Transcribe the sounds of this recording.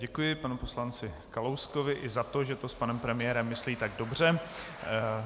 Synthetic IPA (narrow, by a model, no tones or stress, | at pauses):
ɟɛkujɪpanupo̞slant͡sɪ | kalowsko̞vɪʔɪzat̪oʒɛt̪o̞spanɛmpɾɛmɪjɛːɾɛmːɪsliːt̪aɡdo̞br̝ɛ